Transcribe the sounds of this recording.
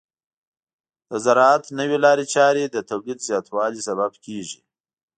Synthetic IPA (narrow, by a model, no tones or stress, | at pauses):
d̪̥əzaɾɑat̪nəwelɑɾet͡ʃɑɾed̪ət̪awlid̪zjɑt̪wɑlisababkeʒi